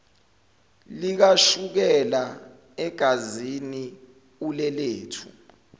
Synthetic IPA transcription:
lik̬aʃuk̬ɛla | ɛɡ̥ʱazini | ulɛleːtʰṵ

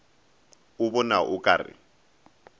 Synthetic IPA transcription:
ʊbɔnaʔʊkʼaːrɪ̰

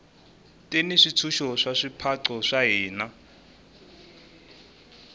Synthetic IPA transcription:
tʼeniʂit͡sʰuʃɔʂaʂipʰaǀɔʂaɦiːna

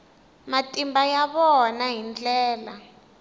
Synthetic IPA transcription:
matʼimbajaɓɔnaɦind͡ɮɛːla

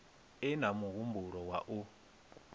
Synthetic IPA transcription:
ɛnamuɣumbuɾɔwa̰ʔu

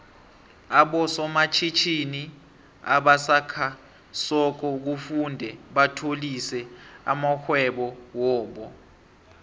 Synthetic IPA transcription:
aɓɔsɔmat͡ʃʰit͡ʃʰini | aɓasakʰa | sɔk̬ɔuk̬ufundʱɛɓatʰolisɛa̰maxwɛɓɔwɔːɓɔ

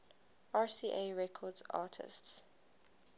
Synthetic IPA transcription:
aːsiːʔeɹɛkʰɔdza̰ːtʰɪ̰sts

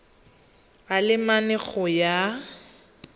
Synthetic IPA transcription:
alɪmanɛɣɔja

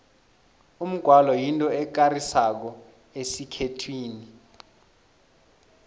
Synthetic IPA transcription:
um̩ɡ̥ʱwalɔjintʼɔɛk̬arisak̬ɔ | esikʰetʰwiːni

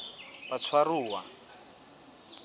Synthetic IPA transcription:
βat͡sʰwaruːwa̰

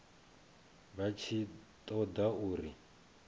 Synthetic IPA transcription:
βat͡ʃʰit̪ʼɔd̪auːɾi

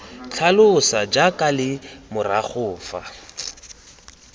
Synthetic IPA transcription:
t͡ɬʰalʊsad͡ʒakʼalɪmʊrak͡xʰʊːfa̰

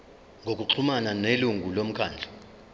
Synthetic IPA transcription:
ŋʱok̬ʼuǁʰumananeluŋʱulom̩kʰaːnd͡ɮʱa

